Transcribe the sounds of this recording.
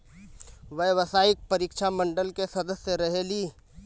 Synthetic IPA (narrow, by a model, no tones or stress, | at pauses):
ʋɐʋəsaːɪk̚pɐɾiːkʃʰamɐ̃ɳɖəlkesɐd̪əseɾɐɦeliː